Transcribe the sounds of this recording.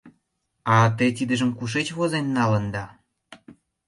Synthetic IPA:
ɑt̪̬et̪̬id̪ə̆ʒə̆mkuʃ̬et͡ɕβozenːɑlə̆nd̪ɑ

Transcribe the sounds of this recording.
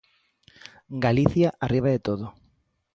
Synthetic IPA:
ɡaliθjaʔariβ̞aðet̪oðo

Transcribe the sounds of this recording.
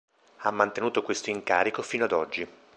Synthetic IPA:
amːant̪enuːt̪okwest̪oiŋkaːɾikofiːnoad̪ɔd͡ʒːi

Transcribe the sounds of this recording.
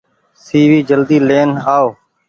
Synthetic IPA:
siːʋiːd͡ʒəld̪iːleːnaːoː

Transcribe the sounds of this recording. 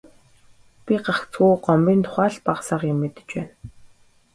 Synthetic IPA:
pʲiɢaχt͡sxuːɢɔmpʲiːnt̪ʰʊ̥χæːɮpaqsaːqemːet̪ɘ̥̆t͡ɕpæːn

